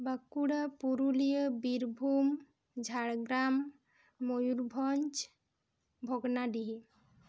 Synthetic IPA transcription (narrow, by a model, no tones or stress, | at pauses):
bəkuɽapuɾulijəbiɾbʱum | d͡ʒʱaɽɡɾamː | ojuɾbʱɔnt͡ʃ | bʱɔɡnaɖiɦi